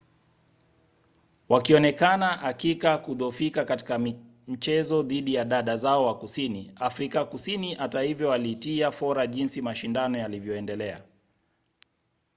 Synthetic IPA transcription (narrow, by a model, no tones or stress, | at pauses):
wakiɔnɛkanaʔakikakuðɔfikakati̥ka | m̩t͡ʃɛzɔðiɗijaɗaɗazaɔwakusiniafɾikakusiniʔatahivjɔwalitiafɔɾaʄinsimaʃindanɔjalivjɔɛndɛlɛa̰